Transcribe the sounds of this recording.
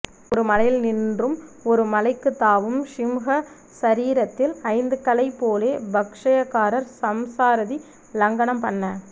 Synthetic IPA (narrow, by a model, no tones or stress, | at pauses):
ɔɾɯmɐlɐjɪlnɪndrɯmɔɾɯmɐlɐɪkːɯt̪ːaːʋɯmʂɪmɣɐ | sɐɾiːɾɐt̪ːɪlɐɪnd̪ɯkːɐlɐɪpːoːleːbɐkʂɐjɐkːaːɾɐɾsɐmsaːɾɯði | lɐŋɡɐɳɐmpɐnːɐ